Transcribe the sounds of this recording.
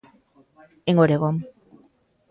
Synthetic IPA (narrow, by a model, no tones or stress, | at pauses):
eŋɡoɾeɣom